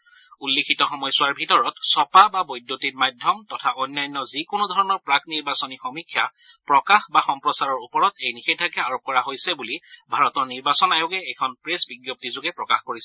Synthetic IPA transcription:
ulːekʰitɔxɔmɔjsʊwaɹbʱitɔɹɔtsɔpababɔjdjotitmajdʱjɔmtɔtʰaʔɔnːajnːɔzikonʊdʱɔɹɔnɔɹpɹakniɹbasɔnixɔmikʰjapɹɔkaxbaxɔmpɹɔsaɹɔɹupɔɹɔtejnixetʰakɛaɹop̚kɔɹaɦojsɛbulibʱaɹɔtɔɹniɹbasɔnajʊɡɛɛjkʰɔnpɹesbiɡjop̚tizʊɡɛpɹɔkaxkoɹisɛ̥

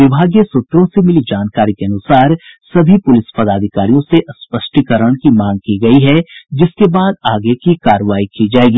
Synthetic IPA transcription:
ʋɪbʱaːɡjesʊt̪ɾõsemɪlid͡ʒaːnkaːɾikeɐnʊsaːɾsɐbʱipʊlɪspɐd̪aːd̪ʱɪkaːɾijõseʔɐspəʃʈikəɾəɽ̃kimãːŋɡ̚kiɡɐiɦɛd͡ʒɪskebaːd̪aːɡekikaːɾəʋaːikid͡ʒaːeːɡiː

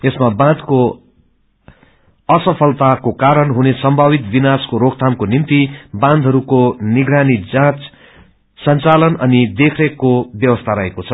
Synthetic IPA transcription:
esmabãd̪ko | ʌsʌpʰʌlt̪akokaɾʌnɦunesʌmbʱabit̪binaskoɾokt̪ʰamkonimt̪ibãnd̪ʱɦʌɾukoniɡɾanid͡zãt͡s | sʌnt͡salʌnʌnid̪ekʰrʌkobjʌbʌst̪ʰaɾʌɦekot͡sʰʌ

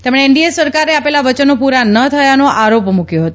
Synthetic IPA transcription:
t̪emɽ̃eːɳɖiesəɾkaɾeapelaʋət͡ʃənopuɾanət̪ʰəjanoʔaɾopmukjoɦət̪o

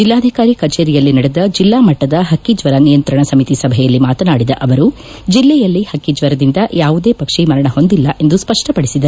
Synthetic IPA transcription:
d͡ʒilːaːd̪ʱikaːɾikɐt͡ʃeːɾijɐlːinɐɽed̪ɐd͡ʒilːaːmɐʈːɐd̪ɐɦɐkːid͡ʒʋɐɾɐnijɐnt̪ɾɐɳɐsɐmit̪isɐbʱɛjɐlːimaːt̪ɐnaːɽid̪ɐʔɐʋɐɾu | d͡ʒilːɛjɐlːihɐkːid͡ʒʋɐɾɐd̪ind̪ɐjaːʋud̪eːpɐkʂimɐɾɐɳɐɦo̞nd̪ilːɐʔe̞nd̪uspɐʂʈɐpɐɽisid̪ɐɾu

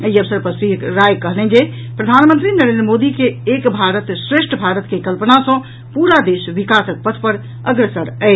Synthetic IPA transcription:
əiəbsəɾpəɾsikɾajkəɦlɛ̃nd͡ʒe | pɾəd̪ʱanmə̃nt̪ɾinəɾend̪ɾəmod̪ikeːkbʱaɾət̪sɾeʃʈʰəbʱaɾət̪kekəlpənasə̃ | puɾad̪esʋikasək̚pət̪ʰpəɾ | əɡɾesəɾɛɪ

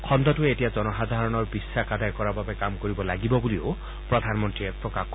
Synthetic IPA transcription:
kʰɔnd̪ɔtuetijazɔnɔxad̪ʱaɹɔnɔɹbisːakad̪ajkɔɹababekamkoɹibɔlaɡibɔbulio | pɹɔd̪ʱanmɔntɹiepɹɔkak

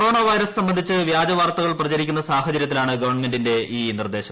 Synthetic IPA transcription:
o̞ːɳɐʋɐjɾɐssɐmbɐnd̪ʱit͡ɕːɨʋjaːd͡ʑɐʋaːrt̪ɐɣɐɭprɐt͡ɕɐɾik̬ʲːunːɐsaːɦɐt͡ɕɐɾjɐt̪ːilaːɳɨɡɐʋɐrɳme̞ndinde̞iːnird̪e̞ːɕɐm

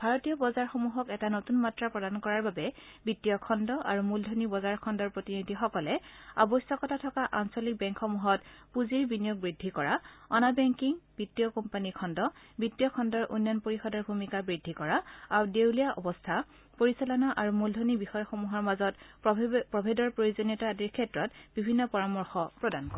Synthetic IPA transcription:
bʱaɹɔtijɔbɔzaɹxomuɦɔkɛtanotunmatɹapɹɔdankɔɹaɹbabɛ | bitːijɔkʰɔndɔʔaɹumuldʱonibɔzaɹkʰɔndɔɹpɹotinidʱixɔkɔlɛa̰bɔsɔkɔtʰatʰɔkaʔansɔlik̚bɛŋkʰːɔmuɦɔtpuziɹbinijɔk̚bɹidʱːikɔɹaɔnabɛŋkiŋb̥itːijɔkɔmpanikʰɔndɔ | bitːijɔkʰɔndɔɹʔṵnjɔnpoɹixɔdɔɹbʱumikabɹidʱːikɔɹaaɹudewlijaʔɔbɔstʰa | poɹisalɔnaʔaɹumuldʱonibixɔjɔxomuɦɔɹmazɔt | pɹɔbʱedɔɹpɹojozonjɔtadiɹkʰɛtɹɔtbibʱinːɔpɔɹamɔɹxɔpɹɔdankɔɹɛ

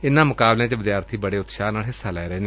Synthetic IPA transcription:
ɪnãːmʊkaːblẽːt͡ʃʋɪd̪jaːɾt̪ʰiːbəɽeːʊt̪ʃaːnaːlɦɪsaːlɛːɾɛːneː

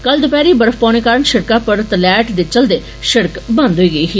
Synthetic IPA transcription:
kəld̪ʊpɛːɾiːbəɾəfʰpãːɽ̃eːkaːɾəɳʃɪɾkaːpəɾt̪əlɛːʈd̪eːt͡ʃəld̪eː | ʃɪɾkbə̃nd̪ɦoiːɡəiːɦiː

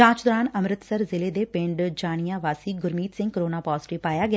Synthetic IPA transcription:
ãːt͡ʃd̪ɔːɾaːnəmɾət̪səɾzɪleːd̪eːpɪ̃ɳɖd͡ʒaːɽ̃ɪjãːʋaːsiːɡʊɾmiːt̪sɪ̃ŋɡ̚kəɾoːnaːpaːzʈipaːjaːɡɪ

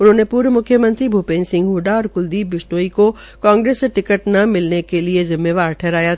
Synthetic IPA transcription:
ʊnɦənẽpuːɾmʊkʰjəmə̃nt̪ɾibʱuːpeːnsɪ̃ŋɡɦuːɖaːɾkʊld̪iːbːɪsʈoːiko | kãːŋɡɾeːsʈɪkəʈnɐmɪlnekeliezɪmːeːʋaːɾʈʰɛːɾaːja

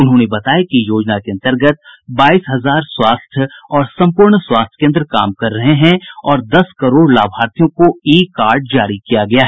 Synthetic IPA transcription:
ʊnɦõːnebɐt̪aːjakijoːd͡ʒnakeɐ̃nt̪əɾɡət̪̚baːiːsɦɐzaːɾswaːst̪ʰjɔːɾsɐ̃mpʊɾɳswaːst̪ʰjkẽɐnd̪ɾka̰ːmkɐɾːɐɦeɦɛ̃ɔːɾd̪ɐskɐɾoːɽlaːbʱaːɾt̪ijõkoiːkaːɾɖ̚d͡ʒaːɾikijaɡɐjaːɦɛː

